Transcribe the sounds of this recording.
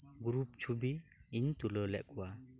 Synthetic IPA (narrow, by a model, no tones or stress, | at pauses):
ɡuɾup̚t͡ʃʰubi | iɲt̪ulɔlɛ̰kuwa